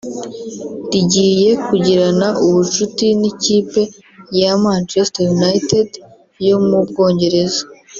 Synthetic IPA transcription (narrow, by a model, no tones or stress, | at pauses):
diɟiːje̞kuɟiɾanaʔuβut͡ʃutiniciːpe̞ | jamant͡ʃestojunajted | jo̞mubɡo̞ːɲɟe̞ɾe̞zo̥